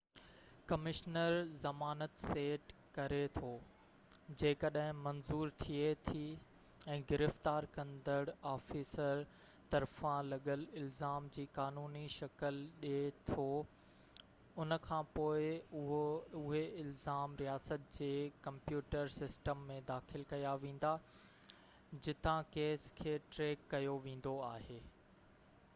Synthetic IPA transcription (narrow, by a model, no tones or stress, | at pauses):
kɐmɪʃnəɾzɐmaːnət̪seːʈ | kɐɾet̪ʰoː | d͡ʑeːkɐɗɦɪ̃mɐ̃nzuːɾt̪ʰiet̪ʰi | ɛ̃ːɡɪɾɪft̪aːɾkɐ̃nd̪əɽaːfiːsəɾ | t̪ɐɾfãlɐɠəlɪlzaːmd͡ʑiːkaːnuːniʃɐkəlɗet̪ʰo | ʊnə̆kʰãːpoːɪʊɦoʊɦeɪlzaːmɾijaːsət̪̚d͡ʑeːkɐ̃mpjuːʈəɾsɪsʈəmːẽd̪aːxɪlkɐjaʋẽːn̆d̪a | d͡ʑɪt̪ãkeːskʰeːʈɾeːkːɐjoʋẽːn̆d̪oaːɦeː